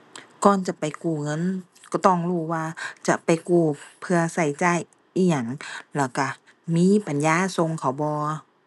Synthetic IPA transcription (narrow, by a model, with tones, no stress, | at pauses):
kɔː˧˨nt͡ɕa˧˨pa˨jkuː˧˩ŋɤ˧˥˨n | kɔ˧˩t̪ɔ˧˩ŋluː˧˩waː˧t͡ɕa̰˧˨ʔpa˨jkuː˧˩pʰɯ˧ɐsa˧˩jt͡ɕaː˧˩˨j | ʔiː˧˩ɲa˧˩˨ŋlɛː˧˩ka˧˩ | miː˧˥˨pa˨njaː˧˥˨so˧˨ŋkʰa˨˩˦wbɔː˧˦